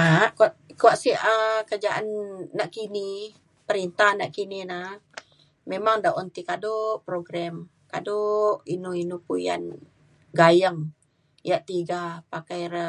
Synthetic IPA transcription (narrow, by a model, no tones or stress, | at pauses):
aʔkaʔkuaʔsiəkərd͡ʒaʔa̰nanaʔkini | pəɾint̪ahanaʔkinina | memaŋdaʔɔnt̪ikadoʔpɾoɡɾɛm | kadoʔinuinupuja̰n | ɡajəŋ | jaʔt̪iɡapakajrə